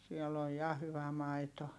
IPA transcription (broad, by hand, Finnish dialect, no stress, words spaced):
siɛl oj jɑ hyʋæ mɑito